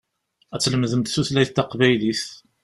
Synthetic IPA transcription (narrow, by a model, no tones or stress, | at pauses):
æt͡sːləmðəmt̪θuθlæjθt̪ːɑqvæjliθ